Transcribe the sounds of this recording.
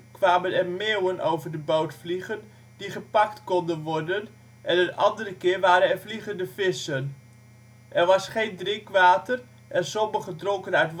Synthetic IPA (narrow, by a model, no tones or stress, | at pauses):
kʋaːmənɛrmewənʔo̰wvərdəbowtfliχən | diχəpɑktkɔndənʋɔrdən | ʔɛnənʔɑndərəkɪːɹʋaːɾənɛrfliχəndəfɪsən | ʔɛrʋɑsχejndrɪŋkʋaːtər | ʔɛnsɔməχədroŋkənœɥtʋ